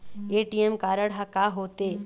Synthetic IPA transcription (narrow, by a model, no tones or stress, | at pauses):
eːʈijemkaːɾəɽɦɐkaɦoːt̪eː